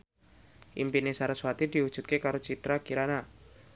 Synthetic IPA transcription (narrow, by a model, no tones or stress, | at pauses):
ʔimpinesaɾəswat̪idiwud̥ʒ̥ṳt̪̚kekaɾot͡ʃit̪ɾakiɾana